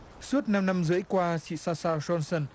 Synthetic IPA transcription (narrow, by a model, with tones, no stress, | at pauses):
su˦˥ət̚na˧mna˧mzɨ̰˧˨˥əjkwaː˧sḭ˧˨saː˧saː˧wzɔ˧nsə˧˩n